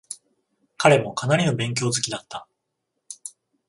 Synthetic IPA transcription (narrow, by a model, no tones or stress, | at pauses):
kaɾe̞mo̞kanaɾʲino̞bẽ̞ŋk̬ʲo̞ːzɨkʲid̪at̪ːḁ